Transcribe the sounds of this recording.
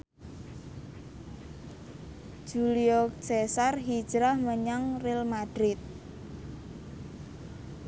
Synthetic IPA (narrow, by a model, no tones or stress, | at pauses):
ʒ̥uliɔsesarɦid̥d͡ʒ̥ɾahməɲaŋrɪlmad̪̥ɾɪt̪̚